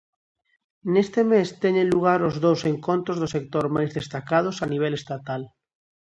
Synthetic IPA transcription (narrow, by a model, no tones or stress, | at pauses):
nest̪emest̪ɛɲẽnluɣ̞aɾozðowseŋkont̪ɾozðʊsek̚t̪oɾmajzðest̪akað̞ʊsaniβ̞ɛlest̪at̪al